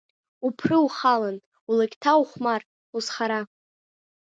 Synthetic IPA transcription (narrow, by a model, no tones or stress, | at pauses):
upʰrɨuχalan | ulakʲʼtʰauχʷmar | usχaɾa